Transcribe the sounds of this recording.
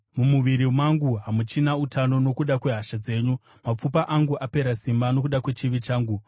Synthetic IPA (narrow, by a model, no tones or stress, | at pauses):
mumuʋiɾimwaŋɡuɦamut͡ʃinautano̞no̞kuɗakwe̞ɦaʃad͡ze̞ːɲu | map͡fupaʔaŋɡuʔape̞ɾasimbano̞kuɗakwe̞t͡ʃiʋit͡ʃaːŋɡu